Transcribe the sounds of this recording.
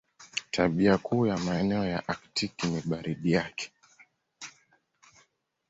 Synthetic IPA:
tʰaɓiakʰuːjamaɛnɛɔjaʔaktikiniɓaɾiɗijakɛ̥

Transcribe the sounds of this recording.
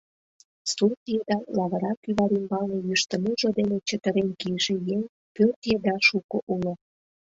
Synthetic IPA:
surt̪jed̪ɑlɑβə̆ɾɑkyβɑɾimbɑlnejyʃt̪ə̆muʒod̪enet͡ɕət̪əɾenkijʒĕjeŋ | pørt̪jed̪ɑʃukoʔulŏ

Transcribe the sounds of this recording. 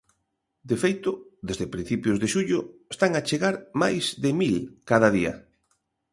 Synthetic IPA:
d̪efejt̪ʊðezðepɾin̟θipjʊzðeʃuʎʊest̪aŋat͡ʃeɣaɾmajzðemilkaðaðiɐ̰

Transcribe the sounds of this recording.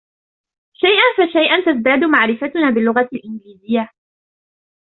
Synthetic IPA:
ʃajʔanfaʃajʔant̪azd̪aːd̪ʊmaʕɾɪfat̪ʊnaːbɪlːʊɣalʔɪnɡliːzɪjːa

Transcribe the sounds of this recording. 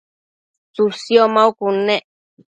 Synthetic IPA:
susjomaukuneʔ

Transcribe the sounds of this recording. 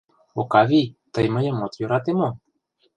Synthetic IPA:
okavijt̪əjməjəmot̪joɾat̪emo

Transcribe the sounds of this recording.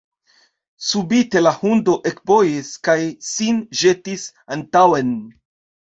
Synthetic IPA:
subite̞lahundo̞ʔekbo̞jiskajsinʒe̞tis | antawen

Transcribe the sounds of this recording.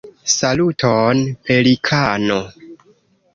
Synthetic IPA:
salutʰonpelikʰano

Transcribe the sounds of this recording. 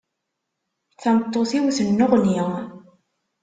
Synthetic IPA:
θæmət̪ˤːoθiwθənːʊʁni

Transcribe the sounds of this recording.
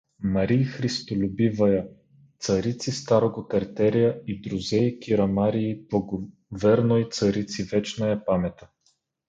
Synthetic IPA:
mɐɾixɾist̪olʲʊbivɐjɐ | t̪sɐɾit̪sist̪aɾoɡokɐɾt̪ɛɾijəid̪ɾʊzɛikʲiɾɐmaɾiːblˠɐɡo | vɛɾnoit̪sɐɾit̪sivɛt͡ʃnəɛpamɛt̪ɐ̥

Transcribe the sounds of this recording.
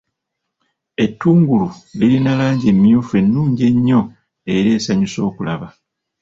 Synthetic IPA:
e̞tːuːŋɡululilinalaːɲɟe̞mːjuːfe̞nːuːɲɟe̞ɲːo̞ | e̞ɾe̞ːsaɲuso̞ːkula̰βa

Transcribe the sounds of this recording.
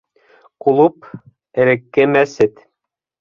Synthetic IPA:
kulˠup | ɘ̆ɾɘ̆kːɘmæsɘt̪

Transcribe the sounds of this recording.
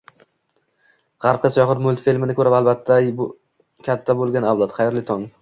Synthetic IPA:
ʁɑɾp̚kʲasajɒχɪɾmʊlˠt̪filmɪnɪkʰɵɾapalˠbat̪ʰːab | kʲʰat̪ʰːabolˠɡʲanawlˠɒt̪χɑjɾlɪt̪ʰɒŋ

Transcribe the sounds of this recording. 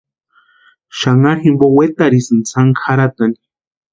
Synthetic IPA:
ʃaŋaɾximbowet̪aɾisɨnt͡sʰaŋkʰaɾat̪ani̥

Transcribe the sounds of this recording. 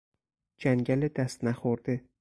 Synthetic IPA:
d͡ʒaŋɡʲalɪd̪ast̪naχoɾd̪̥ɪ

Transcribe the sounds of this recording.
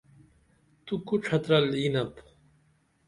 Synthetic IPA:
t̪ukuʈ͡ʂʰɐt̪ɾɐlinɐp

